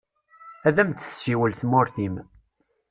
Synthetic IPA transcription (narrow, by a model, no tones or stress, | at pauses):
æðæmt̪ə̥sʃiwəlθmʊɾθim